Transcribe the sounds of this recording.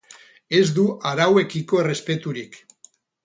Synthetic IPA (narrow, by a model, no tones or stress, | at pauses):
e̞zd̪uʔaɾawe̞kiko̞ere̞spe̞t̪uɾik